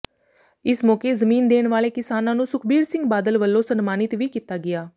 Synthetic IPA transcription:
ɪsmɔːkeːzəmiːnd̪eːɳʋaːleːkɪsaːnãːnũːsʊkʰbiːɾsɪ̃ŋɡbaːd̪əlʋəlːõːsənmaːnɪt̪ʋiːkiːt̪aːɡɪaː

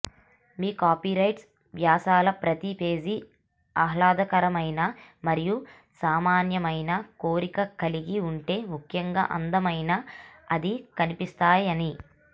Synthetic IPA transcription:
miːkaːpiːɾɐjʈs | ʋjaːsaːlɐpɾɐt̪ipe̞ːd͡ʒi | ɐɦlaːd̪ɐkɐɾɐmɐjnɐmɐɾiju | saːmaːnjɐmɐjnɐkoːɾikɐkɐliɡiuɳʈe̞ːmukʰjɐŋɡa̰ːʔɐ̰nd̪ɐmɐjnɐɐd̪ikɐnipist̪aːjɐni

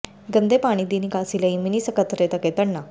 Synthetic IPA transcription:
ɡənd̪epaɽ̃id̪inikasilaiminisəkət̪ɾet̪əket̪əɳna

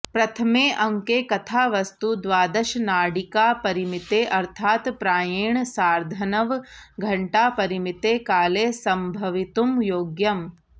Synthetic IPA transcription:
pɾɐt̪ʰɐmeːʔɐŋkeːkɐt̪ʰaːʋɐst̪ud̪ʋaːd̪ɐʃnaːɽikaːpɐɾimit̪eʔɐɾt̪ʰaːt̪pɾaːjeːɳ̃saːɾd̪ʱɐnɐʋɡʱɐɳʈaːpɐɾimit̪eːkaːleːsɐmbʱɐʋit̪umjoːɡjɐm

